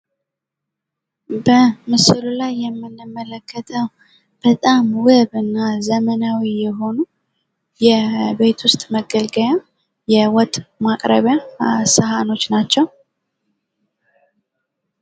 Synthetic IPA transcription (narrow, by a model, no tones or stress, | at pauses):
bəmɨsɨlulajːɛmːɨnɨmːələkʰːət̪ʰəw | b̥ət̪ʼamwɨβɨnːazəmənawijɛɦo̞nu | jɛbe̞t̪ʰwʊst̪ʼməɡəlɡəja | jɛwɔt̪ʼmakʼɾə̰βjasəɦano̞t͡ʃːnat͡ʃːɛw